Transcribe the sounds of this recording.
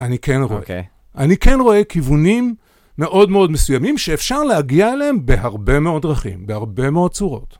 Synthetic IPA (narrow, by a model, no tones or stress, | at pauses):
anikenʁoḛ | ʔanike̞nʁo̞e̞kivunimː | e̞ʔo̞dmeo̞dmesujamimʃeːfʃaʁlehaɡiaeleembe̞ɦaʁbe̞meo̞dʁaχḭmbehaʁbe̞meo̞d̚t͡suʁo̞̰t